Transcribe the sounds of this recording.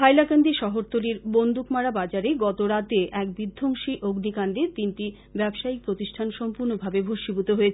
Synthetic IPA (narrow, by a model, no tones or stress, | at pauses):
pajlakand̪iʃɔɦoɾt̪oliɾbond̪ʱukmaɾabad͡ʑaɾeɡɔt̪oɾat̪eʔɛk̚bid̪ʱːoŋʃiʔoɡnikand̪et̪inʈi | bɛbʃaik̚pɾot̪iʃʈʰanʃɔmpuɾnobʱabebʱoʃibut̪oɦoet͡ɕʰ